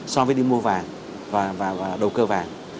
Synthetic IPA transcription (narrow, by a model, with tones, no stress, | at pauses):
sɔ˧vəː˨˦ɗi˧mu˧əvaː˨˩ŋ | vaː˨˩vaː˨˩vaː˨˩ɗə˨˩wkəː˧vaː˨˩ŋ